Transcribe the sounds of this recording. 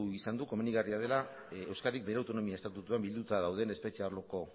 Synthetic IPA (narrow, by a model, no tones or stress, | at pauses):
isand̪uko̞meniɣariað̞e̞la | e̞wskaɾik̚be̞ɾeawt̪ono̞miaest̪at̪ut̪uambild̪ut̪aðawð̞e̞ne̞spe̞t͡ʃeaɾloko̞